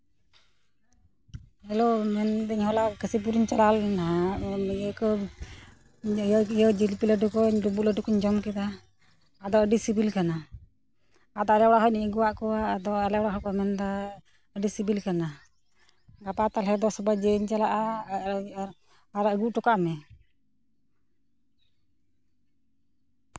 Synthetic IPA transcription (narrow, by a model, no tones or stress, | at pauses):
ɛlɔmɛnd̪ɛɲhɔlakəsip̬uɾiɲt͡ʃalalnamɛəkɔ | ɔijɔd͡ʒilpiləɖukɔɲlubuləɖukɔɲd͡ʒɔmkit̪aː | d̪ɔəɖisibilkana | d̪ɔaɾɛwɽaɦɔniɡuwaʔkɔwad̪ɔalɛwɽaɦɔkɔmɛnd̪a | əɖisibilkana | ɡapat̪alɦɛd̪ɔsɔbajd͡ʒeɲt͡ʃalaʔa | aɾəɡuʔʈɔkaʔmɛ